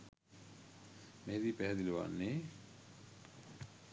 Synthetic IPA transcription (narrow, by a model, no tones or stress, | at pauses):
mehed̪iːpæɦɛd̪iluʋa̰nːeː